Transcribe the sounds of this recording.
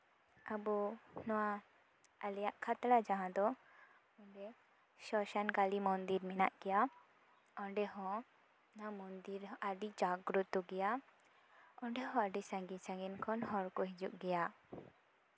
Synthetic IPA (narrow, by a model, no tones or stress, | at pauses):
abɔnɔwa | alɛjaʔkʰat̪lad͡ʒaɦãd̪ɔ | ɔɳɖɛ | ʃɔʃankalimɔnd̪iɾminaʔɡ̥ɛja | ɔɳɖɛɦɔ̃ | namɔnd̪iɾaɖid͡ʒaɡɾut̪t̪ːuɡɛja | ɔɳɖɛɦɔ̃aɖisãŋɡisãŋɡinkʰɔnɦɔɾkɔɦid͡ʒuʔɡɛja